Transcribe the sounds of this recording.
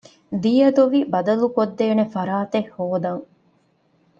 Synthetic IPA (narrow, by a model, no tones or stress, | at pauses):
d̪iːjɐd̪oʋibɐd̪ɐlukod̪ːeːnefɐɾaːt̪ehːoːd̪ɐŋ